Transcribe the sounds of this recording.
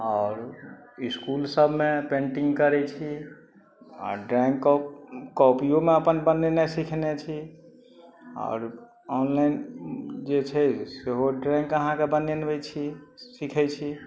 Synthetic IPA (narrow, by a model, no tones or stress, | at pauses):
ɔːɾiskulsəbʱmepẽɳʈĩŋɡkəɾɛt͡ʃʰi | ɔ̰ɾɖɾɛ̃ŋkː | kɔpijomeəpənbənːenasikʰnet͡ʃʰi | ɔ̰ːɾ | ɔnlaind͡ʒet͡ʃʰɛseɦoɖɾɛ̃ŋkəɦãkebənenbɛt͡ʃʰisikʰɛt͡ʃʰi